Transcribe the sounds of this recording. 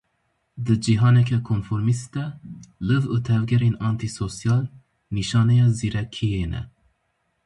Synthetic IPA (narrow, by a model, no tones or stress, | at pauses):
d̪ɨd͡ʒiɦɑːnɛkʰɛkʰonfoɾmist̪ɛləvət̪ʰɛvɡɛɾinɑnt̪ʰisosijɑːl | niʃɑːnɛjɑziɾɛkʰijenɛ̰